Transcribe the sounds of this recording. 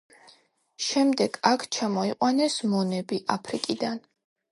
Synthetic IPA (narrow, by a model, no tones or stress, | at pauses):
ʃɛmd̪ɛɡ̥akʰt͡ʃʰamɔiqʼwanɛsmɔnɛbiʔapʰɾikʼid̪an